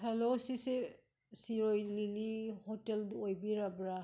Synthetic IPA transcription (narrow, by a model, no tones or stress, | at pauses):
helosise | siɾojlilihɔteldojbiɾabɾa